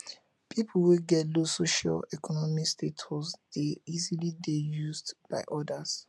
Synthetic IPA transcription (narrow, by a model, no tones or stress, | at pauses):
pʰipʰuweɡɛtlosoʃa̰lɛkʰɔnɔmikstetʰɔsd̥eizilidejuzdb̥aɪʔɔdas